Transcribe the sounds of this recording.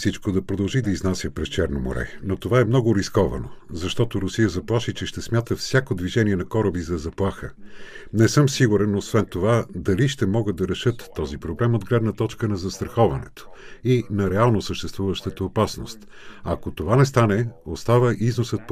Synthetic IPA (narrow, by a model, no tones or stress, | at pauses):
fsit͡ʃkod̪ɐpɾod̪ɐlˠʒid̪ɐiznasʲjəpɾɛst͡ʃɛɾnomo̰ɾʔɛ̰not̪ovaɛmnɔɡʊɾiskɔvɐ̰no̰zɐʃt̪ɔt̪oɾʊsijəzɐplˠaʃit͡ʃɛʃt̪ɛsmʲjat̪əfsʲjakod̪viʒɛniɛnɐkɔɾɐbizɐzɐplˠaxə̰nɛsɤmsiɡuɾɛnosvɛnt̪ovad̪ɐliʃt̪ɛmɔɡəd̪ɐɾɛʃɤt̪ːɔzipɾoblɛmod̪ɡlɛd̪nət̪ɔt͡ʃkənɐzɐst̪ɾɐxɔvɐnɛ̰t̪o̥inɐɾɛalˠnosəʃt̪ɛst̪vuvəʃt̪ət̪əːpasno̰st̪ | ɐkot̪ovanɛst̪anɛost̪avəʔiznosət̪̚p